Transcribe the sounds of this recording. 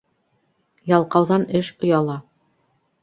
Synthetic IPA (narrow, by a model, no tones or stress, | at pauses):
jɑlˠqɑwðɑnɘʃŏjɑlˠɑ